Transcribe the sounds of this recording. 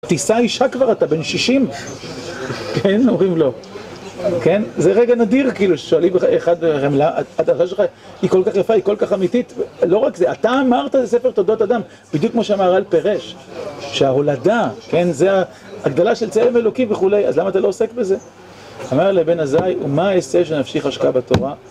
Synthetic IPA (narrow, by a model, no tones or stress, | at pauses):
t̪isaiʃakvaʁat̪abe̞nʃiʃim | kenomʁimlo̞ | ke̞nzeʁeɡanadiʁkiiːluʃe̥ʃoalimbeeχad̪̚emlaa̰ad̪aʁʃaʃelχa | iko̞lkaχjafaikolkaχamitit̪vlo̞ʁakzeat̪aːmaʁt̪azesefet̪o̞d̪ot̪ad̪am | b̥id̪jukmoʃeamaʁalpeʁeʃ | ʃeaɦo̞ladakenzeaː | ɡd̪alaʃelt͡selemelo̞kimve̞χule̞ja̰zlamaːt̪alo̞ose̞kbe̞ze̞ | amaʁlebe̞nazajumaːesevʃ̬enafʃiχaʃkabat̪oʁa